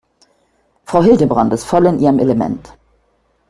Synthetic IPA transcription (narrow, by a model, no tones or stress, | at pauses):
fʁ̥aʊɦɪldəbʁantɪstfɔlɪnʔiːʁəmʔeləmɛ̰nt